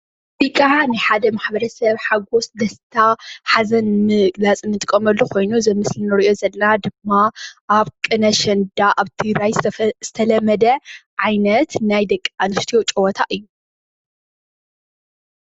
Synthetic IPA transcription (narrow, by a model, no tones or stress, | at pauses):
b̥ikʼːanɨħad̪ɐmaħbɐɾɐsɐβħaɡo̞sd̪ɐst̪ʰaħazɐnmɨɨɡlat͡sʼɨnːɨt̪ʼɨkʼːɐmɐlːukʰo̞jnuzɐmɨslinɨɾiʔo̞zɐlːɐnad̪ɨmːaʔaβkʼɨnɐʃɐnd̪aʔaβt̪ʰiɾajz̥ɨt̪ʰɐlɐmːɐd̪ɐʕajnɐt̪najd̪ɐkʼːanɨʃt̪ʰijot͡ʃʼɨwot̪ʰaʔɨjːu